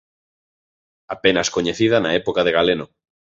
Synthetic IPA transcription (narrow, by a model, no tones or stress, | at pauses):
apenaskoɲeθiðanaepokaðeɣ̞aleno